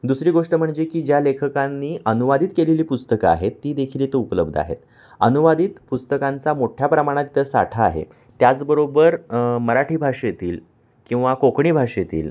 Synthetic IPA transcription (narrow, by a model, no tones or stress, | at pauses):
d̪usɾiːɡoʂʈəm̤əɳd͡zekiːd͡ʑjalekʰəkanːiːʔənuʋad̪iːt̪keleliːpust̪əkaa̰ɦet̪ːiːd̪ekʰiliːt̪əɾupələb̚d̪ʱəa̰ɦḛt̪ | ənuʋad̪iːt̪pust̪əkant͡samoʈʰjapɾəmaɽ̃at̪t̪əsa̰ʈʰa̰ːɦḛ | t̪jat͡sbəɾobəɾməɾaʈʰiːbʱaʂjet̪iːl | kĩw̃ʋakokɳiːbʱaʂjet̪ḭːl